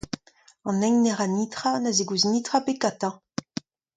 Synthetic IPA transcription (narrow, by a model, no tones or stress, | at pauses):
ɑ̃nɛŋnɛʁanit̪χanazeɡuznit̪χapekat̪ɑ̃